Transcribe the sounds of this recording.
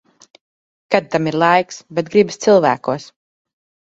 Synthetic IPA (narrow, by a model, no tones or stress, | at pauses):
kad̪̚t̪amiɾlˠajksbɛt̪̚ɡɾibst̪silˠvæ̰ːkuɔs